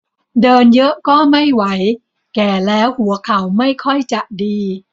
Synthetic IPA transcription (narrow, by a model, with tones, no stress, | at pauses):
dɤː˧njɤ˦˥ʔkɔː˥˩ma˥˩jwa˩˦j | kɛː˨˩lɛː˦˥whu˩˦ɐkʰa˨˦wma˥˩jkʰɔ˥˩jt͡ɕa˨˩ʔdiː˧